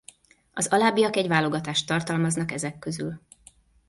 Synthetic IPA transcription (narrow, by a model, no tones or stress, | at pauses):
ɒzɒlaːbijɒkɛɟvaːlo̞ɡɒt̪aːʃt̪ːɒrt̪ɒlmɒznɒkɛzɛkːøzy̰l